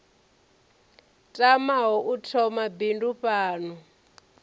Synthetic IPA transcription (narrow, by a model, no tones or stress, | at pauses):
tʼamaɦɔʔutʰɔmabinduɸaːnu